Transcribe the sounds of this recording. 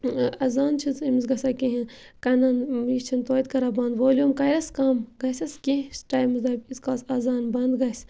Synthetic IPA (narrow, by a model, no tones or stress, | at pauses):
ɐzaːnt͡ʃʰizimisɡɐsakẽɦĩ | kɐnaːnjist͡ʃʰint̪oːit̪kɐɾaːbɐ̃ːnd̪ʋoːljumkɐɾɐskaːmɡɐjsɐskʲẽsʈaːjmɨsd̪ɐːbiskaːsɐzaːnbɐnd̪ɡɐjs